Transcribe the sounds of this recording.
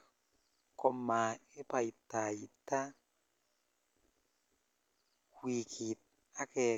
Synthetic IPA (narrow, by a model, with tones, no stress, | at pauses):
kɔ˨ma˨ɪ˦pa˨i˨ta˨i˨ta˦ | wi˨kʰi˨t̚ | a˦kɛ˨